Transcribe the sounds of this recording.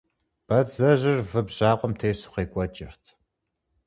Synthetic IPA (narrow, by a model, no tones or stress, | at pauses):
b̥ɐd͡zɐʑɪrvɨbʑaːqʷɔmtʰeːsu̥χeːkʷʼɔt͡ʃʼɪrtʰ